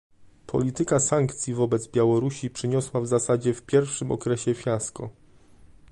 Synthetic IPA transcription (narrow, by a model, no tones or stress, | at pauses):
pʰɔ̰lʲit̪ɘkasaŋkt̪sʲjivɔbɛd̪zbʲjawɔɾuɕipʂɘɲɔswavzasad͡ʑɛfpʲjɛɾfʂɘmɔ̰kɾɛɕɛfʲjaskɔ̰